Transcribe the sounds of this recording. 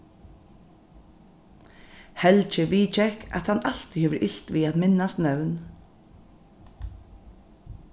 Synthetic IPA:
hɛlt͡ʃɪviːt͡ʃɛhka̰t̪hanːal̥t̪ihɛːvəɾʔɪɬt̪viaðmɪnːast̪nœwn

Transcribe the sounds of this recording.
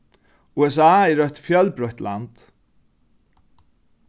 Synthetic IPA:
uːɛs̬aːɛɾœht̪fjœlpɾɔht̪la̰nt̪

